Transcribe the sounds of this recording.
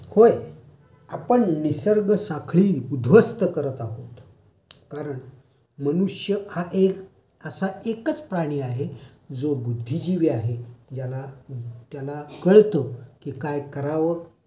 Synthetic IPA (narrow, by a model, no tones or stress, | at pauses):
hoj | apəɳnisəɾɡəsakʰɭiːud̪ʱʋəst̪əkəɾət̪aɦot̪ | kaɾəɳ | mənuʂjəhaʔek | əsaʔekət͡spɾaɽ̃iːaɦed͡zobud̪ʱːid͡ʑiʋeaɦed͡ʑalat̪jalakəɭt̪əkiːkajkəɾaʋə